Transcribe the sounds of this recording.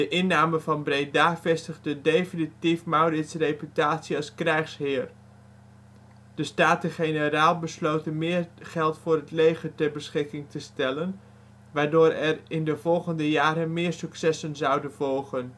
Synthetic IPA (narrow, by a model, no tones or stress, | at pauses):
d̥əʔɪnːaːmənvɑnbrejdaːvɛstəχdədejfinitifmawrɪtsrejpytaːtsiɑlˠskrɛjχsɦɪːr | d̥əstaːtəχenəraːlˠbəslowtənmɪːɹχɛlˠtfʊːrɦətlejχətɛɹbəsχɪkɪŋtʰəstɛlən | ʋaːɹdʊːɾɛrɪndəvɔlˠχəndəjaːɾənmɪːɹsyksɛsənzɑwdənvɔlˠχən